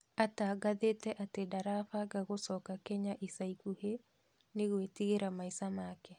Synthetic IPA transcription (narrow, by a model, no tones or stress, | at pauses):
ataːɡaðetɛʔatedaɾafaɡaɣosɔːkakɛɲaʔisaikuhe | neɣwetiɣeɾamaisamaːkɛ